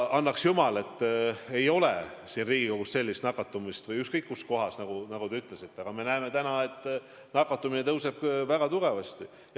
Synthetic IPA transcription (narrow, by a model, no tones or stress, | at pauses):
ɑnːɑksjumɑle̞t̪ˑːe̞jo̞lesinriːɡ̥iko̞ɡ̥usse̞lːist̪nɑkːˑɑt̪ːˑumist̪vɤjykskɤjkːusko̞ɦɑsnɑɡ̥unɑɡut̪e̞yt̪ːˑle̞sit̪ːˑeɑɡ̥ɑme̞næeme̞t̪ænɑe̞t̪ːˑ | nɑkːˑɑt̪ːˑuminet̪ɤwse̞b̥̚væɡ̥ɑt̪uɡ̥e̞vɑst̪i